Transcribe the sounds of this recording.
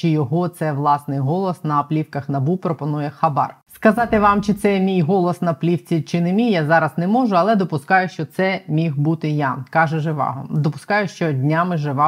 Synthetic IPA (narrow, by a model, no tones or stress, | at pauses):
t͡ʃɪjɔɦɔt̪sɛʋlˠɑsnɪjɦɔlˠɔsnɐplʲiwkɐxnɐbupɾɔpɔnujɛxɐbɑ̰rskɐzɑt̪ɪʋɑmt͡ʃɪt̪sɛmʲijɦɔlˠɔsnɐplʲiwt͡sʲit͡ʃɪnemʲijːazɑɾɐznɛmɔʒʊɐlˠɛd̪ɔpʊskɑjʊʃt͡ʃɔt̪sɛmʲixbut̪ɪjakɑʒɛʒɪʋɑ̰ɦɔ̰d̪ɔpʊ̥skɑjʊʃt͡ʃɔdʲnʲamɪʒɪʋɑ